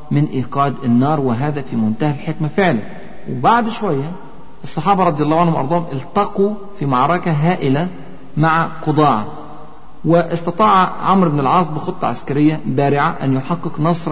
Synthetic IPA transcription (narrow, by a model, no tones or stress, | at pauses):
mɪnʔiːqɑːd̪ɪnːɑːɾˤwɪɦaːðæfimʊnt̪aːhalħekmafɪʕlæn | wɪbaʕd̪ʃwæjːæ | ʔɨsˤːɑħɑːbɑɾˤɑd̪ˤjɑlːɑːwʕanhʊmʔɑɾˤd̪ˤɑːhmʔɪlt̪ɑqu | fimɑʕɾˤɑkaɦaːʔɪla | maʕaqʊd̪ˤɑːʕɑ̰ | wɪʔɪsˤt̪ɑt̪ˤɑːʕʕamɾɪbnɪlʕɑːsˤbɪxɨt̪ˤːɑ̰ʕa̰skaɾɪjːabaːɾɪʕaʔanjʊħɑqːɨqnɑsˤɾˤ